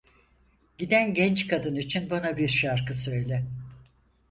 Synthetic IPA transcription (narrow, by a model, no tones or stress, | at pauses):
ɟ̥id̪ænɟɛnt͡ʃkad̪ɯnit͡ʃʰinbanabiɾʃaɾkɯsø̞jlʲɛ